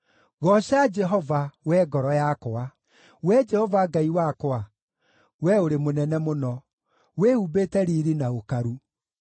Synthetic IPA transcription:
ɣɔʃad͡ʒɛɦɔvawɛɡɔɾɔjakɔa | wɛd͡ʒɛhɔvaɡaiwakɔa | wɛoɾemonɛnɛmonɔ | wehubetɛɾiɾinaokaɾu

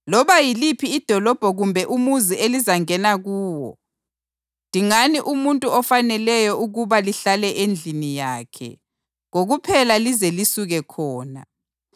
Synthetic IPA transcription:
lɔβajilipʰiːd̥ʱɔlɔb̥ʱɔɣumbʱɛʔumuzielizaŋɛnaɣuːwɔ̰ | nd̥ʱiŋaniʔumuntʼuɔfanɛlɛjɔuɣuβaliɬalɛʔend͡ɮʱinijaːkʰɛ̰ | ŋoɣupʰɛlalizelisuɣɛkʰɔːna̰

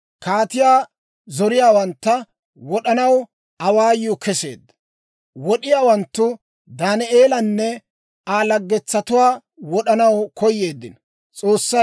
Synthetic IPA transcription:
kaːt̪ɪjaː | zɔɾɪjaːwɐnt̪ːɐ | wɔɗɐnɐw | ɐwaːjʊkʰɛse̞̰ːd̪ːɐ̥ | wɔɗɪjaːwɐnt̪ːʊ | d̪aːnɛʔeːlɐnːɛ | aːlɐɡːɛt͡sːɐt̪ʊwaː | wɔɗɐnɐwkʰɔjːe̞ːd̪ːɪn | t͡sʼo̞ːsːɐ

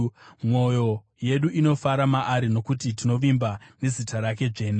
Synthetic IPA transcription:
mo̞jo̞ | je̞ɗuʔino̞faɾamaʔaɾino̞kutitino̞ʋimbane̞zitaɾake̞ʐe̞ːna

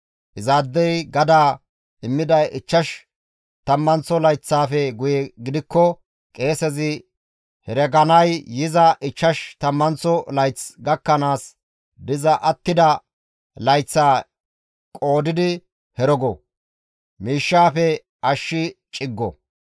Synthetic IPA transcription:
ʔɪzaːd̪ːɛjɡɐd̪aː | ɪmːɪd̪ɐjʔɪt͡ʃːɐʃ | t̪ɐmːɐnt͡sːɔlɐjt͡sːaːfɛɡʊjɛɡɪd̪ɪkːɔ | kʼe̞ːsɛzɪ | hɛɾɛɡɐnɐjjɪzɐʔɪt͡ʃːɐʃt̪ɐmːɐnt͡sːɔlɐjt͡sɡɐkːɐnaːs | d̪ɪzɐʔɐt̪ːɪd̪ɐ | lɐjt͡sːaː | kʼo̞ːd̪ɪd̪ɪ | hɛɾɔɡɔ | miːʃːaːfɛ | ʔɐʃːɪt͡ʃʼɪɡːɔ̰

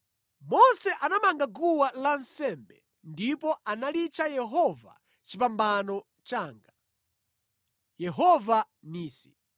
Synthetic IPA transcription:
mɔsɛʔanamaŋɡaɡuwalansɛmbɛ | ndipɔʔanalit͡ʃajɛɦɔva̰ | t͡ʃipambanɔ | t͡ʃaːŋɡa | jɛɦɔva | niːsi̥

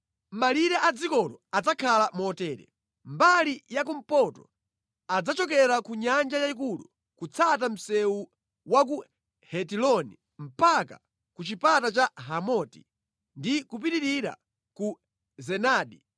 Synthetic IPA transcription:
maliɾɛʔad͡zikɔlɔad͡zakʰalamɔtɛːɾɛ̰ | mbalijak̬um̩pɔtɔ | ad͡zat͡ʃɔkɛɾakuɲand͡ʒajaik̬ulṵ | kut͡sʰat̬am̩sɛu | wak̬u | hɛtilɔni | m̩paka | kut͡ʃipatat͡ʃaɦamɔti̥ | ndikup̬iɾiɾiɾa̰ | ku | zɛnaːɗi

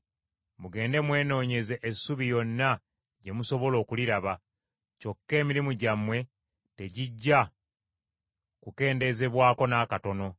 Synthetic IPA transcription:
muɡe̞ːnde̞mwe̞ːno̞ːɲe̞ze̞ʔesuβijo̞nːa | ɟe̞muso̞βo̞lo̞ːkuliɾaβa | co̞kːe̞ːmiɾimuɟamwe̞ | te̞ɟiɟːa | kuke̞ːnde̞ze̞βwaːko̞naːkato̞no̞

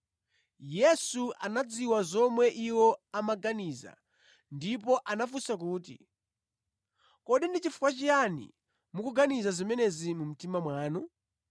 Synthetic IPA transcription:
jɛsuʔanad͡ziwazɔmwɛʔiwɔamaɡaniza̰ | ndip̬ɔʔanafusak̬uːtḭ | kɔɗindit͡ʃifu̥kwat͡ʃijanḭ | mukuɡanizazimɛnɛzimum̩timamwaːnu

